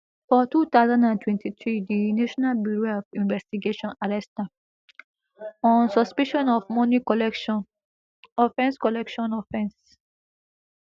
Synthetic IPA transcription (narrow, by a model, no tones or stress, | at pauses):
fɔtut̪aʊzãndãntʰwɛ̃ntʰitɹidinaʃɔnalbuɹoɔfĩnvɛstiɡeʃɔ̃naɹɛsta | ɔ̃nsɔspiʃɔ̃nɔvmɔni | ɔfɛ̃nskɔlɛkʃɔ̃nɔfɛ̃ns